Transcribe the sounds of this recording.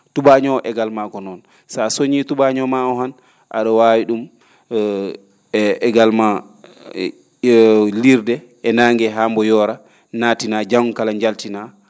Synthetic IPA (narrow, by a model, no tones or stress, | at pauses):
tuɓaɲɔʔɛɡalmakɔnɔn | sasoɲituɓaɲɔmaɔhan | ʔa̰ɗɔwawiɗum | ɛɡalma | liɾdɛ | ɛnaŋɡɛɦambɔjɔɾa | naːtinad͡ʒamkalaɲd͡ʒaltina